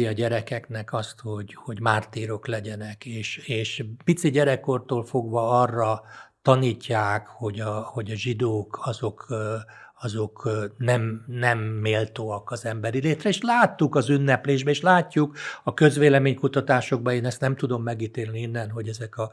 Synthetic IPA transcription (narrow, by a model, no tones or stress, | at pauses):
iɒɟɛɾɛkɛknɛkɒst̪ho̞ɟho̞ɟmaːrt̪iːɾo̞klɛɟɛnɛkeːʃeːʃpit̪siɟɛɾɛkort̪oːlfo̞ɡʋɒɒrːɒt̪ɒniːcːaːkho̞ɟɒho̞ɟɒʒid̪oːkɒzo̞k | ɒzo̞knɛmnɛmːeːlt̪oːɒkɒzɛmbɛɾileːt̪rɛeːʃlaːt̪ːukɒzynːɛpleːʒbɛeːʃlaːcːukɒkø̞zʋeːlɛmeːɲkut̪ɒt̪aːʃo̞ɡ̚bɒeːnɛst̪nɛmt̪ud̪o̞mːɛɡiːt̪eːlniinːɛnɦo̞ɟɛzɛkɒ